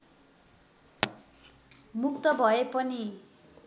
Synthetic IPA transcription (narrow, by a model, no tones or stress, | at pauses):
mukt̪ʌbʱʌepʌni